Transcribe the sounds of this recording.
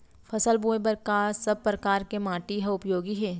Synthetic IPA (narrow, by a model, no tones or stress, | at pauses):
fʰɐsəlbuːebəɾkaːɾsɐb̚pɾɐkaːɾkemãːʈiɦɐʊpjoːɡiɦɛː